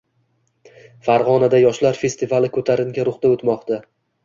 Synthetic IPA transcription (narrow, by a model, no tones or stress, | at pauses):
faɾʁɒnad̪ajɒʃlaɾfe̞st̪ɪvalɪkʰɵt̪ʰaɾɪŋɡʲaɾʊχt̪aot̪mɒqt̪a